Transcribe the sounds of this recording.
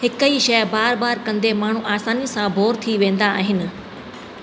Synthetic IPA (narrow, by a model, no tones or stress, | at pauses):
hɪkəiʃɐbaːɾbaːɾkɐ̃nd̪emaːɳ̤uʔaːsaːnisãbʱoːɾt̪ʰiʋẽːn̆d̪aa̰ːɦɪnɪ̆